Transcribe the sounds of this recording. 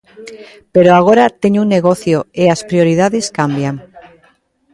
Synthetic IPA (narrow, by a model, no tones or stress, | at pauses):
peɾoaɣ̞oɾat̪eɲuŋneɣoθjoeaspɾioɾið̞aðeskambjaŋ